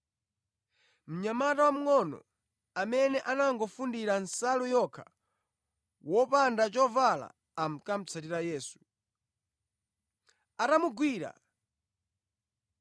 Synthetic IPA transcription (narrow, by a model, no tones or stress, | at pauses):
m̩ɲamatawam̩ŋɔnɔ̰ | amɛnɛʔanaŋɡɔfundiɾansalujɔkʰḁ | wɔpandat͡ʃɔvala̰ː | m̩kam̩t͡sʰatiɾajɛːsu | atamuɡwiɾa̰